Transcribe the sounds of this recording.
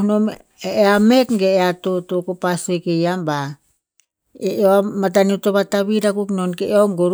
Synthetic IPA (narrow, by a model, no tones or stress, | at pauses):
nom | eamekɡeːatotokopasuekejamba | eoamat̬aniotoβataβiɾakuknonkeeoŋɡoɾ